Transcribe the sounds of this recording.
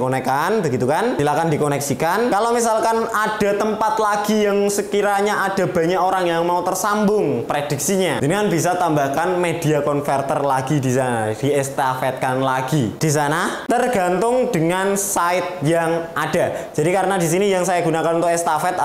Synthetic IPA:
konekanbəɡit̪ukansilakandikonəksikankalomis̬alkanad̥a̤t̪əmpat̪laɡ̥ijaŋsəkiɾaɲaʔad̥a̤b̥a̤ɲaʔoɾaŋjaŋmaut̪ərsambʊŋpɾed̥i̤k̚siɲadəŋanbisat̪ambakanmed̥iakɔnfɛrt̪ərlaɡidisanad̥iɛst̪afɛt̪̚kanlaɡ̥id̥is̬anat̪ərɡa̤nt̪ʊŋd̥əŋansaɪt̪̚jaŋad̥ad͡ʒadikaɾənadis̬inijaŋsajaɡunakanunt̪ʊkɛst̪afɛt̪̚

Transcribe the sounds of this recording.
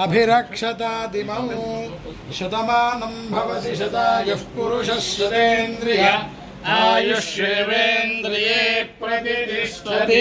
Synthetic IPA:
ɐbʱiɾɐkʂɐt̪aːd̪imɐm | ʃɐt̪ɐmaːnɐmbʱɐʋɐt̪iʃɐt̪aːjɐfpuɾuʃɐsɐt̪eːnd̪ɾijɐ | aːjuʃeʋeːnd̪ɾijepɾɐt̪isɐt̪i

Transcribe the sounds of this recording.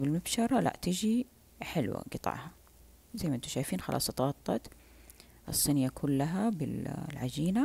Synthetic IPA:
bɪlmabʃɑɾˤɑlʔa̰ʔt̪ɪd͡ʒi | ħɪlwa̰ɡɨt̪ˤɑ̰ʕha | zajːmaʔnt̪uʃaːjfiːnxɑlʔɑ̰ːsˤɑt̪ˤɑːt̪ˤːɑt̪ | ʔɨ̰sˤːɨnjakʰʊlːaɦabɪlʕad͡ʒiːna

